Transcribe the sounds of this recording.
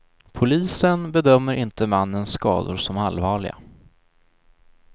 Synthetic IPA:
pʰʊliːsənbɛd̪œmːəɾʔɪnt̪əmanːənsːkɑ̰ːd̪ʊ̰ɾʂɔmalvɑːɭɪɡa̰

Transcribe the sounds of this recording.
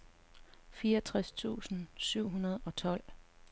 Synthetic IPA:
fiːɐʌt͡sʰʁast͡sʰṵːsn̩syʊ̰ɦunɐð̞̩ˠɒ̽t͡sʰɒ̽l̰

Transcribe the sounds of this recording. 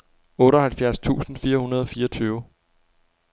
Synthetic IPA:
ɔ̽ːɾɒhælfjæɐst͡sʰṵːsn̩fiːɐhunɐð̞ˠɒ̽fiːɐt͡sʰyːʊ

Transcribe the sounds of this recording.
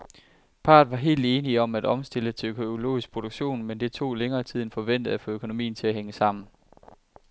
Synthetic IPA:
pʰɑ̰̈ːð̩ˠʋɑ̈ɦe̝̰ːld̥e̝ːniɒ̽mæd̥ɒ̽msd̥e̝lət͡sʰøkʰoo̝lo̝̰ːisɡ̥̚pʰʁo̝ɾ̥oɡ̥ɕo̝̰ːnmend̥e̝t͡sʰo̝̰ːleŋɐːt͡sʰið̰ˠn̩fɒ̽ʋen̰d̥ð̩ˠæfɔ̰økʰo̝no̝mḭːn̩t͡sʰe̝æɦeŋəsɑ̈m̰n̩

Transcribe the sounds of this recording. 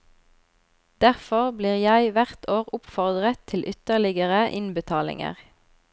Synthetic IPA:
d̪̥æʁfɔʁbliːʁjæɪʋæʁt̪ʰoːʁʊpfɔʁd̪ʁət̪ʰɪlʔʏt̪əʁlɪɡəʁəʔɪnbət̪ʰɑːlɪ̰ŋə̰ʁ

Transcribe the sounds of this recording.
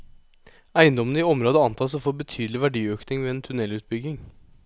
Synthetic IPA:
æɪənd̪ɔmənəiɔmɾoːd̪əɑnt̪ʰɑːsofoːɾbət̪ʰyːd̪l̩ɪʋæɖiːøːknɪŋʋeɛnt̪ʰʉnɛlʉːt̪̚bʏɡɪŋ

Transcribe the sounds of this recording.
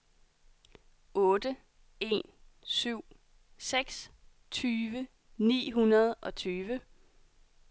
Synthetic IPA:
ɔ̽ːd̥ə | e̝̰ːn | syʊ̰ | seɡ̥s | t͡sʰyːʋə | nḭːɦunɐð̞ˠʔɒ̽t͡sʰyːʋə

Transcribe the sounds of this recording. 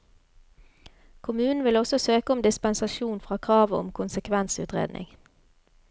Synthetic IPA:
kʰʊmʉːnn̩ʋɪlɔsɔsøːkəɔmd̪ɪspənsɑʃuːnfʁɑːkʰʁɑːʋəɔ̰mkʰʊnsəkʰʋɛnsʉ̰ːt̪ʁḛːd̪nɪ̰ŋ

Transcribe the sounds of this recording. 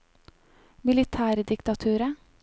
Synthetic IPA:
mɪlɪt̪ʰæːɾd̪ɪkt̪ɑt̪ʰʉːɾə

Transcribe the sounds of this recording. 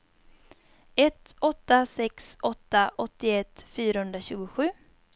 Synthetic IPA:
ɛt̪ɔt̪ːasɛksɔt̪ːaʔɔt̪ːɪɛt̪fyːɾahɵnd̪ɾaɕʉ̟ːɡʊɧʉ̟ː

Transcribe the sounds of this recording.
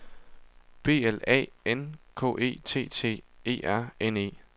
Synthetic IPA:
b̥e̝̰ːelɛ̰ːenkʰɔ̰ːʔe̝̰ːt͡sʰe̝̰ːt͡sʰe̝̰ːe̝̰ːæɐ̰ene̝̰ː

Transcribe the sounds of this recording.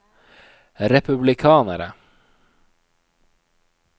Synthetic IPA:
ɾɛpʉblɪkʰɑːnəɾə

